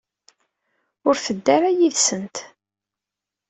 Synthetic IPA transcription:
ʊɾθəd̪ːaɾajiðsənt̪

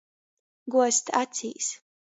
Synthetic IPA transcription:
ɡuɔst̪ʰat͡sʰiːs

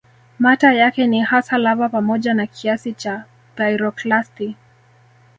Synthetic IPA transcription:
matajakɛnihasalavapamɔʄanakʰiasit͡ʃa | dajɾɔklasti

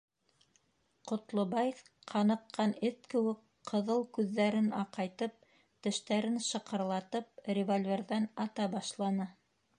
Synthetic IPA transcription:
qŏt̪lˠobɑjf | qʰɑnɤ̆qːɑnɘθkɘ̆wɘk | qɤ̆ðɤlˠkʉðːæɾɘnɑqɑjt̪ɤp̚ | t̪ɘ̆ʃt̪æɾɘnʃɤ̆qɤ̆ɾlˠɑt̪ɤp̚rʲɪvolʲvʲerðænɑt̪ɑbɑʃlˠɑnɤ

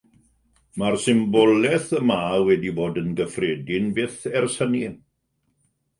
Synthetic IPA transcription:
marsɪmbɔlɛθəmawɛdiboːdənɡəfrɛːdɪnbɪθɛrsəni

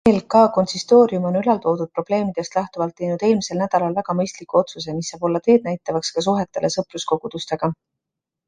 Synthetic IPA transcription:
eːlkɑːko̞nsist̪o̞ːɾiumo̞nylɑlt̪o̞ːd̪ud̪̥̚pro̞b̥le̞ːmid̪̥e̞st̪læht̪uvɑlt̪ːe̞jnud̪̥e̞ːlmise̞lnæd̪̥ɑlɑlvæɡ̥ɑmɤjst̪likuo̞t̪susemisːɑːb̥o̞lːɑt̪e̞ːd̪næjt̪ːˑɑvɑkskɑs̬uɦe̞t̪ːˑe̞̰lʔe̞sɤprusko̞ɡ̥ud̪̥ust̪e̞ɡ̥ɑ

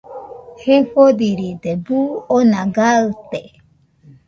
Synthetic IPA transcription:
heɸod̪iɾid̪ebuonãɡaɨt̪e

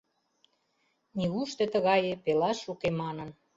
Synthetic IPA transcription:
niɣuʃt̪ĕt̪əɣɑjepelɑʃːukemɑnən

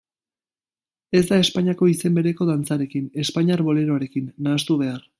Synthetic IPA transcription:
e̞zd̪ae̞spaɲiako̞ise̞mbe̞ɾe̞ko̞ðant͡saɾe̞kine̞spaɲiaɾβo̞le̞ɾo̞aɾe̞kinːaːst̪uβe̞ar

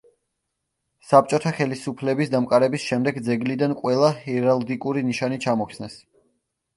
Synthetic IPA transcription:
sap̚t͡ʃʼɔt̪ʰaχɛlisupʰlɛbisd̪amkʼaɾɛbisʃɛmd̪ɛɡd̪zɛɡlid̪anqʼwɛlˠahɛɾalˠd̪ikʼuɾiniʃanit͡ʃʰamɔkʰsnɛs

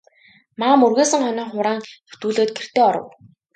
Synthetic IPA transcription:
maːmurɣeːsə̆ŋχɔnʲiːŋχʊɾaːŋu̥t̪uːɮoːt̪̚ɡer̥t̪eːɔɾə̰̆w

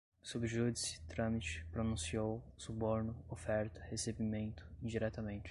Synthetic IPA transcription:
subɪʒud͡ʒisɪ̥t̪ɾɐ̃mit͡ʃɪ̥pɾonũsiowsuboɾnʊofɛɾt̪ɐ̥hesebimẽnt̪ʊ̥ĩd͡ʒiɾɛt̪ɐmẽnt͡ʃɪ̥

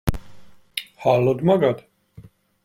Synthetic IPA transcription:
halːod̪maɡad̪

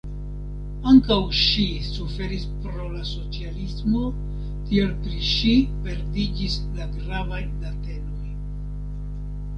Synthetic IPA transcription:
aŋkawʃi | sufe̞ɾispɾo̞laso̞t͡sialismo̞ | tie̞lpɾiʃipe̞ɾdid͡ʒis | laɡɾavajdate̞no̞j

